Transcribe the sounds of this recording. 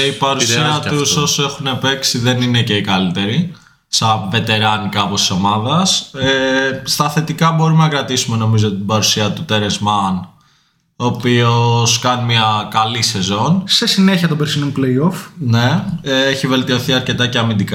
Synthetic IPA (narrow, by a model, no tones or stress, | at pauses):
ipɐɾusiɐt̪uso̞se̞xune̞pe̞ksiðe̞nine̞ce̞ikɐlit̪e̞ɾi | sɐve̞t̪e̞ɾɐnikɐːpost̪iso̞mɐðɐsest̪ɐθe̞t̪ikɐbo̞ɾumenɐkɾɐt̪isume̞no̞mizot̪ibɐɾusiɐt̪ut̪e̞ɾezmɐn | oːpio̞skɐnmɐkɐlise̞zo̞nse̞sine̞çiɐt̪obeɾsinompleiofneeçive̞lt̪io̞θiɐɾce̞t̪ɐceɐmind̪ikɐ